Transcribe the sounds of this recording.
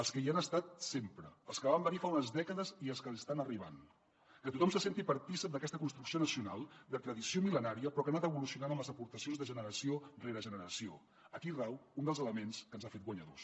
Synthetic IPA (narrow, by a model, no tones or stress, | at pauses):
əlˠskəianəst̪at̪̚sempɾəːlˠskəβambənifaunəzðɛkəðəziəlˠskələst̪anəriβ̞a̰n | kət̪ut̪ɔmsəsent̪ipəɾt̪isəp̚d̪əkɛst̪əkunst̪ɾuksionəsiunalˠd̪ət̪ɾəðisiomilənaɾiəpɾɔkəanat̪əβulusiunanəmləzəpuɾt̪əsionzðəʒənəɾəsioreɾəʒənəɾəsio | əkirɛwund̪əlˠzələmenskənzafet̪ɡwəɲəðo̰s